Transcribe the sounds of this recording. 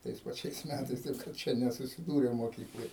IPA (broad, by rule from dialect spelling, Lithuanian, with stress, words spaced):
ˈtɐɪs pɐˈt͡ʃʲɛɪs ˈmʲætɐɪs ˈtɐɪp kɐt ˈt͡ʃʲɛ nʲɛsʊsʲɪˈduːrʲeːm moːˈkʲiːklˠoːj